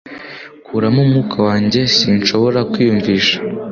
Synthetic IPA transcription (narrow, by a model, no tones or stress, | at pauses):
kʰuɾamumŋuːkʰawaːɲɟe̞siːnʃo̞βo̞ɾakwiːjuɱviːʃḁ